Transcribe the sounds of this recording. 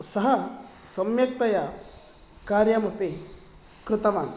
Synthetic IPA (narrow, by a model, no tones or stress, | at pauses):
sɐɦɐsɐmjɐk̚t̪ɐja | kaːɾjamɐpe | kɾɪt̪ɐʋaːn